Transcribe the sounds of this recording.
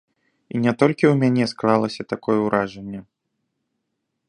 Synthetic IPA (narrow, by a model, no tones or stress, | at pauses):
inʲɛt̪ɔlʲkʲiwmʲanʲɛsklˠalˠɐsʲɐt̪akɔjɛwɾaʐɛnʲːɛ